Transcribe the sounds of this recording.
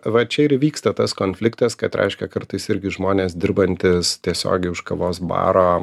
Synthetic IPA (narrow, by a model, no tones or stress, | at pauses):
ʋɐt͡ʃʲɛɪɾʋʲiːkst̪ɐt̪ɐskoːnʲfʲlʲɪkt̪ɐskɐt̪ɾʲʔʲɛ̰ɪʃʲkʲɛkɐɾt̪ɐɪsɪɾʲɡʲɪʒmoːnʲeːsd̪ʲɪɾbɐnʲt̪ʲɪst̪ʲiɛsʲo̰ːɡʲɛɪʊʃkɐʋoːsbɑ̰ːɾoː